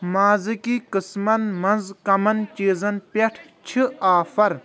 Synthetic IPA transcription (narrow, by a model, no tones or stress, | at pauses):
maːzikikɨsmɐnmɐnzkɐmɐnt͡ʃeːzɐnpɐʈʰt͡ʃʰiaːfʰɐɾ